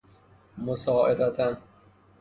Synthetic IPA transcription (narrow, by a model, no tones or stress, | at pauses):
mosɒːʔed̪æt̪ʰæn